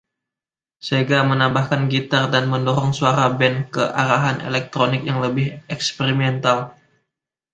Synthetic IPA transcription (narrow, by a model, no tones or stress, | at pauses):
səiɡamənambahkanɡit̪ardanməndɔɾɔŋsuaɾabɛnkəʔa̰ɾaɦanʔḛlɛk̚t̪ɾonɪk̚jaŋləbɪhɛkspeɾimɛnt̪al